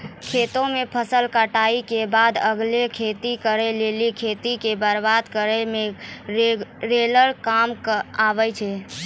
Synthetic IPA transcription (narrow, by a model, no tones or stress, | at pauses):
kʰet̪õmepʰəsəlkaʈaikebad̪əɡlekʰet̪ikəɾɛlelikʰet̪ikebəɾbad̪kəɾɛme | ɾeləɾkamkabɛt͡ʃʰɛ